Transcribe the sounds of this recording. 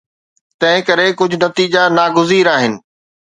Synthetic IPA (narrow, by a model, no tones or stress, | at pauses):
t̪ɐ̃ɦɪ̃kɐɾekʊd͡ʑʱʊ̆nɐt̪iːd͡ʑanaːɡʊziːɾaːɦɪnɪ̆